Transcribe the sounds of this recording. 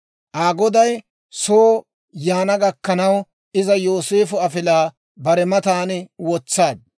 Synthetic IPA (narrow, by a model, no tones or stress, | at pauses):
ʔaːɡɔd̪ɐj | soː | jaːnɐɡɐkːɐnɐw | ʔɪzɐjoːse̞ːfʊɐfɪlaː | bɐɾɛmɐt̪aːnɛwɔt͡sːaːd̪̚